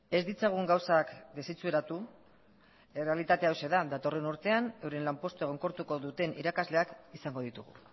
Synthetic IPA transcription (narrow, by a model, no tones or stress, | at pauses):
e̞zd̪it͡saɣ̞uŋɡawsakd̪e̞sit͡sue̞ɾat̪u | ere̞alit̪at̪e̞awse̞ðad̪at̪o̞re̞nuɾt̪e̞anewɾenlampo̞st̪ue̞ɣo̞ŋko̞ɾt̪uko̞ðut̪e̞nʔḭɾakazle̞akisaŋɡo̞ð̞it̪uɣ̞ṵ